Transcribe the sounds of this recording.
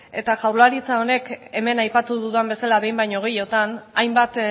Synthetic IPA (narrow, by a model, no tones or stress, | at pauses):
e̞t̪aʝawɾlaɾit͡sao̞ne̞ke̞me̞najpat̪uðuðambe̞salaβe̞jmbajɲo̞ɣejo̞t̪anajmbat̪